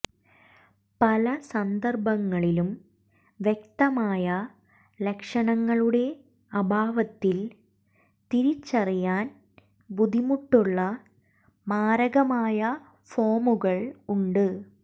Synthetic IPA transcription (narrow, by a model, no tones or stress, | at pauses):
pɐlɐsɐnd̪ɐrbɐŋːɐɭilum | ʋjek̚t̪ɐmaːjɐ | lekʂɐɳɐŋːɐɭuɽe̞ | ɐbʱaːʋɐt̪ːil | t̪iɾit͡ɕːɐrijaːn | bud̪ʱimuʈːuɭːɐ | maːɾɐɣɐmaːjɐ | fo̞ːmuɣɐɭuɳɖɨ